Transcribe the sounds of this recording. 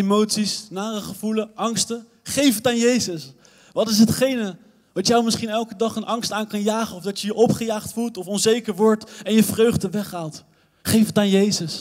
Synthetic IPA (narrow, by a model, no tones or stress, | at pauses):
emowtsisnaːrəχəv̥uləʔɑŋstə | χejfətaːnjejzəs | ʋɑtɪs̬ɦətχejnə | dɑtjəwmɪsχinɛlˠkədɑχənʔɑŋstaːnkɑnjaːχənɔvdɑtjəjəʔɔpχəjaːχtfulˠtɔfɔnzejkəɹʋɔɹtɛnjəvrøɥχdəʋɛχɦaːlˠt | χejfətaːnjejzəs